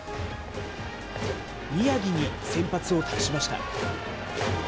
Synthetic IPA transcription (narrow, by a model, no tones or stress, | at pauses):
mʲijaɡʲiɲ̟isẽ̞mpat͡sɨo̞t̪ʰakɯ̥ɕimaɕi̥t̪a̰